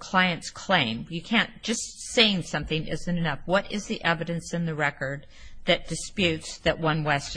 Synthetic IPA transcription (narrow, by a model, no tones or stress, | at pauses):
kʰl̥aɪɨ̃ntskʰl̥ẽɪ̃mjɨkʰæ̃n̚d̥ʒ̥ʌsseɪɪ̃ŋsʌ̃mθɪ̃ŋʔɪ̰zɨ̃ntɨnʌfwʌɾɪzðiʔɛvɨɾɨ̃nsɨ̃nðɨɹɛkə˞d̪̚ | ðɨt̚d̥ɨspjʉtsðɨʔ̚wʌ̃nwɛst